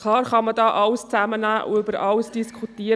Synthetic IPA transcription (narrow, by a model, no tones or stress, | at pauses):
kʰlɑːɾχɑmədɑːʔɑwst͡sæmənæːʔṵʏbəɾʔɑlsd̥iskʰutiːə